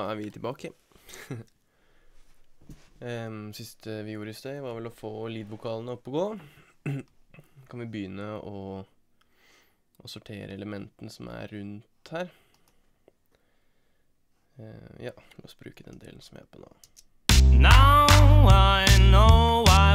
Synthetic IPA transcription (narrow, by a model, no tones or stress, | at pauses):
æɾʋɪt̪ʰɪlbɑːkə | sɪst̪ʰəʋɪjuːɾəɪsd̪eʋɑɾʋɛlɔfoːliːd̪ʋʊkʰɑːlənəɔpːɔɡoː | kʰɑnʋɪbəjʏnːəɔ | ʔɔsʊʈʰḛːɾəɛləmɛnt̪ənəsɔmæ̰ːʉnt̪hæːɾ | jɑ̰ː | lɑsbɾʉ̰ːkəd̪ɛ̰nd̪ḛːln̩sɔmʋæ̰æ̰pʰɔno̰ː | naʊaɪnoʊa